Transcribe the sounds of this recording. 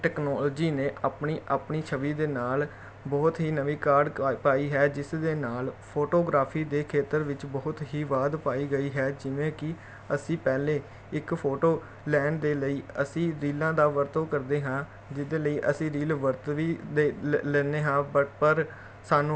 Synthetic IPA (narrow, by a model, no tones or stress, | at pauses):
ʈɛːknɔːlːd͡ʒiːnẽːʔaːpɳiːʔaːpɳiːt͡ʃʰəʋiːd̪eːnaːl | bɔːt̪ɦiːnəʋiːkaːɾɖpaːiːɦɛːd͡ʒɪsd̪eːnaːlpʰoːʈoːɡɾaːpʰiːd̪eːkʰeːt̪əɾʋɪt͡ʃbɔːʊt̪ɦiːʋaːd̪paːiːɡəiːɦɛːd͡ʒɪʋẽːkɪ | əsĩːpɛːleː | ɪkpʰoːʈoː | lɛːnd̪eːləiːəsĩːɾiːlãːd̪aːʋəɾt̪õːkəɾd̪eːɦãː | d͡ʒɪd̪eːləiːʔəsĩːɾiːlʋəɾt̪ʋiːd̪eːlɛːneːɦãːbəpəɾ | saːnũː